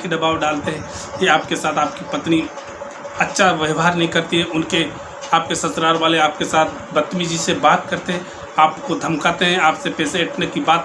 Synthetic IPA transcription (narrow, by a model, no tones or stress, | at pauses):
kid̪ɐbaːʋɖaːlt̪eɦɛ̃ː | kiaːp̚kesaːt̪ʰaːp̚kipɐt̪ni | ɐtːʃʰaʋəʋɦaːɾnɐɦĩkɐɾt̪iɦɛʔʊnke | aːp̚kesɐsɾaːɾʋaːleaːp̚kesaːt̪ʰ | bɐt̪ːmid͡ʒisebaːt̪kɐɾt̪eɦɛ̃ | aːpkod̪ʱɐmkaːt̪eɦɛ̃aːpsepɛːseɪʈʰnekibaːt̪